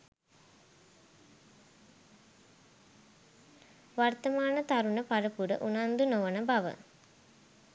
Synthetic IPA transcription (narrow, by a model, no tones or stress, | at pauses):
ʋart̪əmaːnət̪aɾunəpaɾəpuɖə̰ʔunand̪unoʋənəbaʋə̰